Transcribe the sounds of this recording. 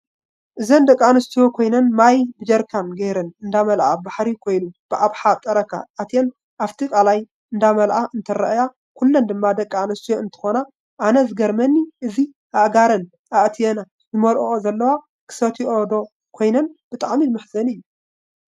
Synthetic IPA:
ʔɨzɐnd̪ɐkʼːanɐst̪ʰijokʰo̞jnɐnmajbɨd͡ʒɐɾkʰanɡɐjɾɐnɨnd̪amɐlʔa̰baħɾikʰo̞jnub̥ɨʔaβħat̪ʼɐɾɐkʰa̰ːt̪ʰijɛn | ʔaft̪ʰikʼalaj | ɨnd̪amɐlʔaʔɨnt̪ʰɐɾɐʔja | kʰulːɐnd̪ɨmːad̪ɐkʼːanɐst̪ʰijoɨnt̪ʰɨ̥xo̞na | ʔanɐzɨɡɐɾmɐnːiʔɨzi | ʔaʔɡaɾɐn | ʔaʔt̪ʰijɛna | zɨmɐlʔoʔozɐlːɐwa | kʰɨ̥sɐt̪ʰiʔod̪o̞ | kʰo̞jnɐnb̥ɨt̪ʼaʕmimɨħzɐnɨjːu

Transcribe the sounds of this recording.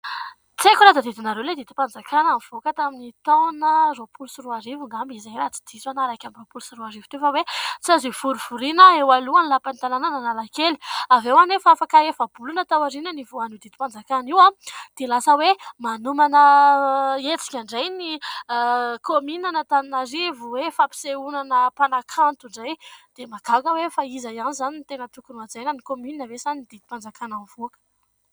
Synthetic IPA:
t͡sekʲuɾad̪ad̪id̪inaɾewled̪id̪i̥pand͡zakanamiv̥okət̪aminit̪awnəropulusiruaɾivuŋambizajrat͡si̥d̪̥izanaɾajkʲamropulusiruaɾiv̥ut̪oefəwet͡sazifuɾuv̥uɾinəewaluanilapanit̪alanananalakeliavewanefaafakaefab̥ulunat̪awaɾinənivuanud̪id̪i̥pand͡zakaniwad̪̥elasəwemanumanə | et͡si̥kʲaɳɖ͡ʐajni | kʰominanat̪aninaɾivuwefapi̥seunanəpanakʰant̪uɳɖ͡ʐajd̪̥emakakəwefaizajanizanint̪enət̪ukunuad͡zajnənikomyninəvesanind̪id̪̥i̥pand͡zakananv̥uakə̥

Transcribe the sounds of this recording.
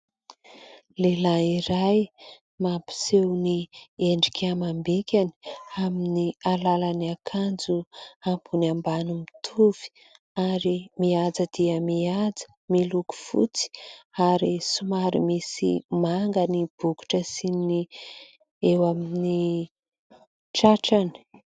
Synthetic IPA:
lelaiɾaj | mapi̥sewnieɳɖ͡ʐikʲamambekʲani̥aminialalaniakʰand͡zuampunambanumit̪ʰuv̥i̥ | aɾimiad͡zəd̪̥iəmiad͡zə̥ | miluku̥fṵt͡si̥aɾisumaɾimisḭmaŋɡənib̥uku̥ʈ͡ʂəsini | ewamini | ʈ͡ʂaʈ͡ʂani̥

